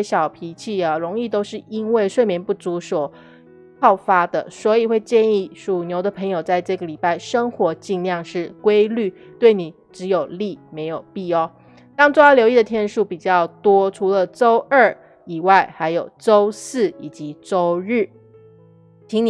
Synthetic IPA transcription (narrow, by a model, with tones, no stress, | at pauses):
ɕjɑ˨˩ʊpʰi˧˥t͡ɕʰi˥˩ə˨ɻʊ˧˥ŋi˥˧t̪o˥ʊʂɻ̩˥˩i˥nwe˥˩ɪʂwe˥˩ɪmjɛ˧˥npu˥˩t͡su˧˥swɔ˨˩ | pɑ˥˩ʊfa˥d̪ə̰˨swɔ˧˥i˨˩xwe˥˧ɪt͡ɕjɛ˥˧ni˥˩ʂu˨˩njo˧˥ʊd̪ə˨pʰɤ˧˥ŋjo˨˩ʊt͡sa˥˧ɪʈ͡ʂɤ˥˩ɡə˩li˨˩pa˥˩ɪʂə˥ŋxwɔ˧˥t͡ɕi˥˧nljɑ˥˧ŋʂɻ̩˥˩kwe˥ɪly˥˨ | t̪we˥˩ɪni˨˩ | ʈ͡ʂɻ̩˧˥jo˨˩ʊli˥˩me˧˥ɪjo˨˩ʊpi˥˩ɔ˨˦ | t̪ɑ˥ŋt͡so˥a˥ljo˧˥ʊi˥˩d̪ə˩t̪ʰjɛ˥˧nʂu˥˩pi˨˩t͡ɕjɑ˥˩ʊt̪wɔ˥ʈ͡ʂʰu˧˥lə˨ʈ͡ʂo˥ʊə˥˩ | i˨˩wa˥˩ɪxa˧˥ɪjo˨˩ʊʈ͡ʂo˥ʊsɹ̩˥˩i˨˩t͡ɕi˧˦ʈ͡ʂo˥ʊɻ̩˥˩ | t͡ɕʰi˧˥ŋn˨